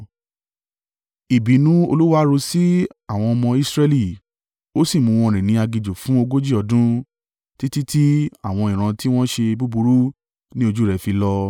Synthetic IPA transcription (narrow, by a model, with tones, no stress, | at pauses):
i˨bi˨˦nũ˦o˧lu˦wa˦ɾo˧si˦a˦˨w̃ɔ̃˧ɔ˧mɔ̃˧i˦sɾe˦li˦˨ | o˦si˦˨mũ˧w̃ɔ̃˧˨ɾ̃ĩ˨nĩ˧a˧ɡi˨d͡ʒo˨fũ˨˦o˧ɡo˦d͡ʒi˦˨ɔ˧dũ˦ | ti˦ti˦ti˦a˦˨w̃ɔ̃˧ĩ˨ɾ̃ã˧ti˦w̃ɔ̃˦ʃe˧bu˦bu˧ɾu˦ | nĩ˦o˧d͡ʒu˦ɾɛ˨˧fi˧lɔ˦